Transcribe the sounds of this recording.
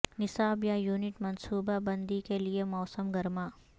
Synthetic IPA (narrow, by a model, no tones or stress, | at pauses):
nɪsaːbjajuːnɪʈmɐnsuːbabɐ̃nd̪ikeliemɔːsəmɡɐɾmaː